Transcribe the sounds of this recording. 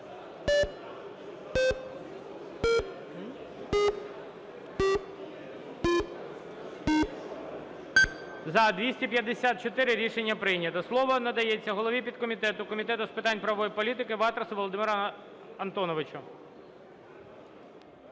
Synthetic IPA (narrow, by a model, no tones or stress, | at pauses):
zɐd̪ʋʲisʲtʲipʲjɐd̪ːesʲat̪̚t͡ʃɔt̪ɪɾɪɾʲiʃenʲːɐpɾɪjnʲːɐt̪ɐslˠɔʋɔnɐd̪ɐjet͡sʲːɐɦɔlˠɔʋʲipʲid̪kɔmʲit̪ɛt̪ʊkɔmʲit̪ɛt̪ʊspɪt̪ɑnʲpɾɐʋɔjipɔlʲit̪ɪkɪʋɑt̪ɾesʊʋɔlˠɔd̪ɪmɪɾɐ | ɐnt̪ɔnɔʋɪt͡ʃʊ